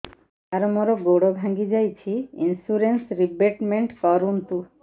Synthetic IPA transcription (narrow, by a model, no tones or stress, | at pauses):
aɾmoɾoɡoɽobʱãŋɡid͡ʑajt͡ɕʰiḭnsuɾensɾibeʈmeɳʈkɔɾunt̪u